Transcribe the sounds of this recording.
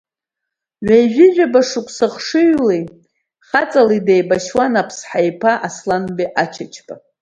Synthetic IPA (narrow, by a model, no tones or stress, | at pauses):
ʕʷajʒʷᶣɪʒʷᶣabaʂɨkʷʰʼsɨχʂɨɥlej | χat͡sʼalidejbaʃwanapʰsħajpʰaʔaslanbiʔat͡ʃʰat͡ʃʰpʼa